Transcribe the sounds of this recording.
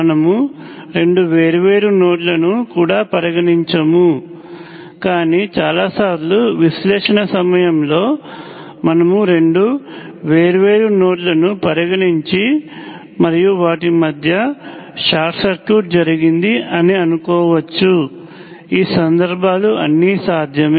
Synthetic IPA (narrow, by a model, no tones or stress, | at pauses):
ɐnɐmuɾe̞ɳɖuʋe̞ːɾuʋe̞ːɾuno̞ːʈ̬lɐnukuːɽaːpɐɾɐɡɐɳiɲt͡ʃɐmu | kaːniːt͡ʃaːlaːsaːɾluʋiʃlɛːʂɐnɐsɐmɐjɐmlo̞ː | mɐnɐmuɾe̞ɳɖu | ʋe̞ːɾuʋe̞ːɾuno̞ːʈlɐnupɐɾɐɡɐɳiɲt͡ʃi | mɐɾijuʋaːʈimɐd̪ʱjɐ | ʂaːɾʈsɐɾkuːʈ̚d͡ʒɐɾiɡind̪iʔɐniɐnukɔːʋɐt͡ʃːu | iːsɐnd̪ɐɾbʱaːluɐnːisaːd̪ʱjɐmeː